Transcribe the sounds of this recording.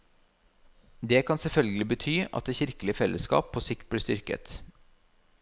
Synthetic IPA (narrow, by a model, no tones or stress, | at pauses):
d̪eːkʰɑnsɛlfœlɡəlɪbət̪ʰyːʔɑ̰t̪̚d̪eːçɪɾkəlɪəfɛlʔəskɑ̰ːpʰoːsɪkt̪̚bliːst̪ʏɾkə̰t̪